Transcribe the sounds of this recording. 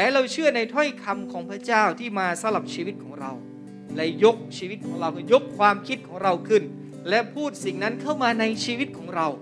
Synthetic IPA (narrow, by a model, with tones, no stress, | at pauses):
lɛː˨˦˥ɾa˧wt͡ɕʰɯ˥˩ɐna˧jt̪ʰɔ˥˩jkʰa˧mkʰɔː˩˦ŋpʰɾa˥˩t͡ɕaː˥˩wt̪ʰiː˥˩maː˧sa˨˦mla˨˩p̚t͡ɕʰiː˧wi˦˥t̪̚kʰɔː˩˦ŋɾa˧w | lɛ˦˥jo˦˥k̚t͡ɕʰiː˧wi˦˥t̪̚kʰɔː˩˦ŋɾa˧wkʰɯː˧˩jo˦˥k̚kʰwaː˧mkʰi˦˥t̪̚kʰɔː˩˦ŋɾa˧wkʰɯ˥˩n | lɛ˦˥pʰuː˥˩t̪̚si˨˩ŋna˦˥nkʰa˥˩wmaː˧na˧jt͡ɕʰiː˧wi˦˥t̪̚kʰɔː˩˦ŋɾa˧w